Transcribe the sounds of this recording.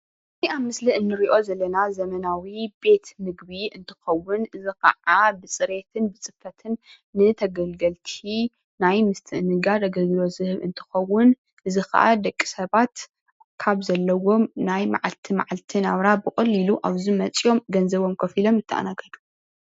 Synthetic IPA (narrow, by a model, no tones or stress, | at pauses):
ɨziaβmɨsliʔɨnːɨɾiʔo̞zɐlːɐnazɐmɐnawibe̞t̪mɨɡbiɨnt̪ʰɨ̥xɐwːʊnʔɨzikɐ̰ʔabɨsʼɨɾe̞t̪ʰɨnbɨt͡sʼɨfɐt̪ʰɨnː | ɨt̪ʰɐɡɐlɡɐlt̪ʰi | najmɨst̪ʰɨʔɨnɨɡad̪ɐɡɐɡlo̞zɨhɨβɨ̰nt̪ʰɨ̥xɐwːʊn | ʔɨzikʰɐ̰ʔa̰d̪ɐkʼːi̥sɐβat̪ | kʰaβzɐlːɐwo̞mnajma̰ʕalt̪ʰima̰ʕalt̪ʰinaβɾabɨkʼɐlːiluʔaβzimɐt͡sʼjo̞mɡɐnzɐβo̞mkʰɐfilo̞mɨt̪ʰːɨʔa̰naɡʰɐlu̥